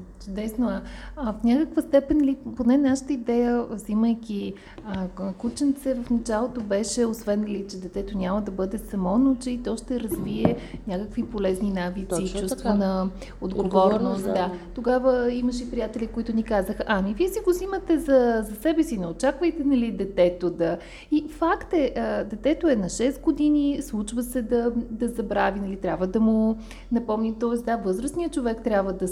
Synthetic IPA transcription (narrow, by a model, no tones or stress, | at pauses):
t͡ʃʊd̪ɛsnoafnʲakəkvəst̪ɛpɛnliponɛnaʃə̥t̪əid̪ɛjəvziməjkʲi | əkut͡ʃɛnt̪sɛvəfnɐt͡ʃalˠot̪obɛʃɛosvɛnlit͡ʃɛd̪ɛt̪ɛt̪onʲaməd̪ɐbɤd̪ɛsɐmɔnot͡ʃɛit̪ɔʃt̪ɛɾɐzviɛnʲakəkvipolɛzninavit̪siːt͡ʃt͡ʃust̪vɛnə | od̪ɡoɡvɔɾnost̪d̪at̪oɡavəiməʃɛipɾijat̪ɛlʲikoit̪ʊnikazəxʔamiviɛsiɡosimət̪ɛzɐzɐsɛbɛsinɛot͡ʃakvəjt̪ɛnɐlid̪ɛt̪ɛt̪od̪ɐ | ifakt̪ɛʔəd̪ɛt̪ɛt̪oɛnɐʃɛsɡod̪inislˠut͡ʃvəsɛd̪ɐd̪ɐzɐbɾavinɐlit̪ɾʲjabvəd̪ɐmo | nɐpɔmnit̪ɔɛsd̪avɤzɾəsniət͡ʃovɛkt̪ɾʲjabvəd̪ɐ